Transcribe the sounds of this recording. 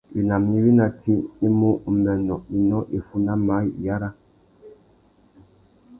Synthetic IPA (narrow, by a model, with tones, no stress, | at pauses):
i˨na˨mni˦wi˦na˨ti˦i˦mo˦˨mɛ˨nɔ˨i˨nɔ˦ʔi˨fu˦na˦ma˨˦˨ja˦ɾa˦